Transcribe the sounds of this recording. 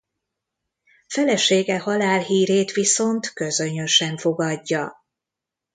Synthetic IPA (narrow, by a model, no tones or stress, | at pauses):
fɛlɛʃeːɡɛhɒlaːlɦiːɾeːt̪ʋiso̞nt̪kø̞zø̞ɲøʃɛɱfo̞ɡɒɟːɒ